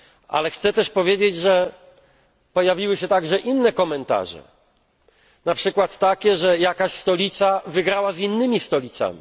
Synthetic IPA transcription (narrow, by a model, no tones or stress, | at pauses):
ʔa̰lɛxt̪sɛt̪ɛʂpɔvʲjed͡ʑed͡ʑʐɛ | pɔjavʲiwɘɕɛt̪aɡʐɛʔinːɛkɔmɛnt̪a̰ʐɛ̰ | napʂɘkwat̪ːakʲɛʐɛjakaɕst̪ɔlʲit̪savɘɡɾawazinːɘmʲist̪ɔlʲit̪sa̰mʲi